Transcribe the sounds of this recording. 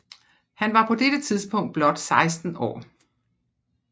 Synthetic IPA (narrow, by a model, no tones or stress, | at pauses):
hænʋɑ̈pʰɒ̽d̥eɾ̥ət͡sʰiðˠsb̥ɔ̽ŋ̰d̥̚b̥lɒ̽d̥sɑ̈ɪsd̥n̩ɒ̰ː